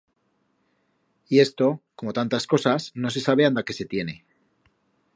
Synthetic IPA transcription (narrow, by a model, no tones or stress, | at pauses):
ie̞st̪o̞ko̞mo̞t̪ant̪asko̞sasno̞s̬e̞saβ̞e̞and̪ake̞se̞t̪je̞ne̞